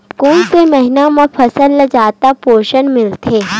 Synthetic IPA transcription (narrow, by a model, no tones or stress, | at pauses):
kuːnsemɐɦɪnamãpʰɐsəlːɐd͡ʒaːt̪apoːʃənmɪlt̪ʰeː